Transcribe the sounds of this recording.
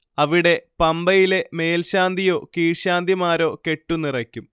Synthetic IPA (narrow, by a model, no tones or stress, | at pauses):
ɐʋiɽe̞pɐmbɐjile̞me̞ːlɕaːnd̪ʱijo̞ːkiːɻɕaːnd̪imaːɾo̞ːke̞ʈːunirɐkʲːum